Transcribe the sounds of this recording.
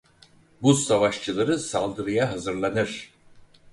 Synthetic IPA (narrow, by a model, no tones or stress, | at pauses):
busavaʃt͡ʃʰɯlˠaɾɯsalˠd̪ɯɾɯjaɦazɯɾlˠanɯɾ̥